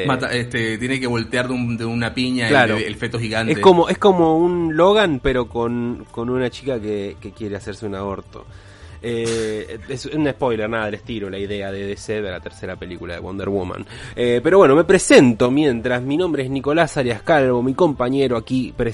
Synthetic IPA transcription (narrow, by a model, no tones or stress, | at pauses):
mat̪aest̪et̪jenekeβo̞lt̪eaɾðeud̪eunapiɲaklaɾoelfet̪oxiɣanteeko̞moʔesko̞mo̞unlo̞ɣanpe̞ɾo̞ko̞nko̞nunat͡ʃikakeke̞kje̞ɾe̞ase̞ɾseunao̞ɾt̪o̞̰ | e | esesunespo̞jleɾnaðaðeleht̪iɾolaiðe̞aðeðeseðelat̪eɾse̞ɾape̞likulaðewond̪eɾwoma̰nepe̞ɾoβwe̞no̞me̞pɾe̞se̞nt̪o̞mje̞nt̪ɾazminõ̞mbɾeezniko̞lasaɾjaskalβo̞miko̞mpaɲe̞ɾoakipɾe